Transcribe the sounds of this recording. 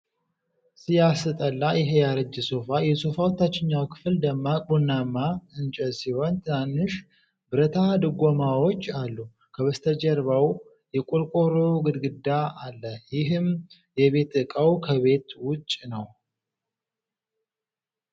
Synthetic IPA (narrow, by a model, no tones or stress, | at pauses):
sɨjasɨt̪ʼəlːajɪɦejaɾəd͡ʒːɨso̞fajɛso̞fawɔt̪ːat͡ʃːɪɲːawkʰɨ̥fld̪əmːabunːamːaɨnt͡ʃʼɛsiho̞nt̪ʰɨnanːɨʃ | bɨɾət̪ʰad̪ɨɡomawo̞t͡ʃːalːu | kʰəβəst̪ʰəd͡ʒɛɾbaw | jɛkʼulkʼoɾoɡɨd̪ɡɨd̪aalːəjɪɦɨm | jɛβe̞t̪ɨkʼəwkʰəβe̞t̪wʊt͡ʃʼːnəw